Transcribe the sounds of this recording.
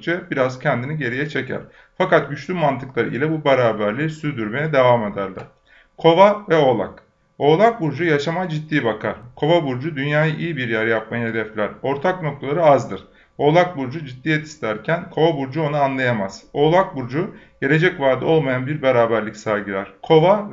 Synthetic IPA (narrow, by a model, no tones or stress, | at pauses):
d͡ʒɛbiɾazcʰɛnd̪iniɟe̞ɾijɛt͡ʃʰe̞cʰæ̰ɾ̥ | fakat̪̚ɟyt͡ʃlʲymant̪ʰɯklˠaɾɯ̰ilʲɛbubeɾaːbæɾlʲisyd̪yɾme̞jɛd̪e̞vaːme̞d̪æɾlʲæ̰̥ | kʰo̞vavɛo̞lˠa̰k | o̞lˠak̚buɾd͡ʒujaʃamad͡ʒit̪ːiːbakʰaɾ̥kʰo̞vabuɾd͡ʒud̪ynjaːjaʔijibiɾjæɾjap̚majaɦe̞d̪ɛflʲæɾo̞ɾt̪ʰakno̞k̚t̪ʰalˠaɾɯazd̪ɯɾ̥ | o̞lˠak̚buɾd͡ʒud͡ʒit̪ːiːjɛt̪ʰi̥st̪ʰʲæɾcʰænkʰo̞vabuɾd͡ʒuo̞nuanlˠajamaz̥o̞ːlˠak̚buɾd͡ʒuɟ̥e̞lʲe̞d͡ʒɛcvaɾd̪ɯo̞lˠmajanbiɾbeɾaːbæɾlʲicsaɾɡɯlʲæɾ̥kʰo̞va